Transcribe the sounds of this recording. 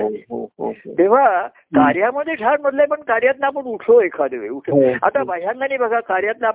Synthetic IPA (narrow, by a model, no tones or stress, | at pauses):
ɦoɦoo̰t̪eʋ̤a | kaɾjaməd̪ʱːeʈʰaɾməd̪lapəɳkaɾjat̪napəɳuʈʰoekʰad̪eʋeuʈʰa̰t̪aʋajãŋɡanibʱaɡakaɾjat̪̚na